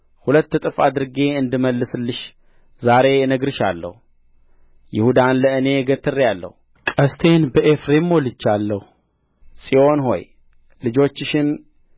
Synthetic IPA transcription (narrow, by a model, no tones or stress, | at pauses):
hulət̪ːɨt̪ʼɨfad̪ɨɾɡe̞ɨnd̪ɨməlːɨsɨlːɨʃ | zaɾe̞ɛnəɡɾɨʃa̰lːə̰hu | jɪhud̪anləɨne̞ɡət̪ʰːɨrːjalːə̰hu | kʼəst̪ʰe̞nbəʔefɾemːolɨt͡ʃːalːəhu | sʼio̞nɦo̞̰j | lɨd͡ʒo̞t͡ʃːɪʃɪn